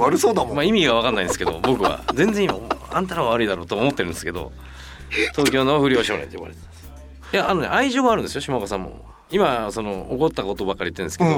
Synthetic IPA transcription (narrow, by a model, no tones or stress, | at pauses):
aɾɯsoːd̪amaimʲiɡaβakanːaind̪esɨ̥ke̞d̪o̞̰bo̞kɯ̟βa̰zẽ̞nd͡zẽimaoãnt̪aɾaβaβaɾɯid̪aɾo̞ːt̪oːmo̞t̪ːeɾɯ̃nesɨ̥ke̞d̪o̰ | t̪o̞ːkʲo̞ːnoaɸɯ̟ɾʲioːɕioːnḛ̃t̪ojoβa̰ɾet̪emasɨ̥ | jaanonḛʔaiʑo̞ːɡaːɾɯ̟nd̪esɨjo̞ɕimakasãmːo̰ | imaso̞no̞oko̞t̪ːako̞t̪obakːaɾiɯt̪ːẽnske̥o